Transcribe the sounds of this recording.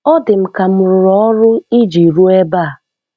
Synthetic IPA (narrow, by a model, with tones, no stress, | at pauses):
ɔ˦dɪ˨m̩˨ka˨mʊ˨ɾʊ˨ɾɔ˦ɔ˦ɾʊ˦i˦d͡ʒi˨ɾu˦e˦ba˦˨a˨